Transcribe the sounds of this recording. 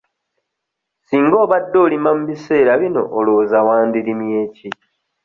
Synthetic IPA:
siːŋɡo̞ːβadːo̞ːlimamuβise̞ːɾaβino̞̰ʔːlo̞ːzawaːndilimje̞ːci

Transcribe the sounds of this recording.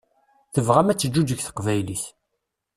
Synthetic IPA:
θəvʁæmæt͡sːəd͡ʒːud͡ʒəçθə̥qvæjliθ

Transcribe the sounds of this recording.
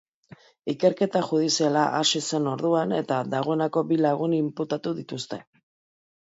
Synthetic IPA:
ike̞ɾke̞t̪aʝuð̞isialaʔasise̞no̞ɾðuane̞t̪aðaɣ̞o̞e̞nako̞bilaɣ̞unimput̪at̪uðit̪ust̪e̞

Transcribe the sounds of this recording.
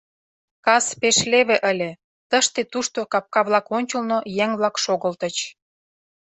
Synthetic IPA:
kɑspeʃleβĕʔəlʲĕ | t̪əʃt̪et̪uʃt̪okɑp̚kɑβlɑkonʲt͡ɕə̆lnojeŋβlɑkʃoɣəlt̪ət͡ɕ

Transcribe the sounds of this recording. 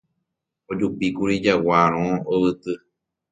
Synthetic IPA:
od͡ʒupikuɾid͡ʒawaɾ̃õoβɨt̪ɨ

